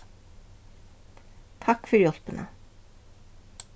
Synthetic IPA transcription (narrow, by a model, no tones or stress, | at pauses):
t̪ʰakfʏɾjɔl̥pɪna̰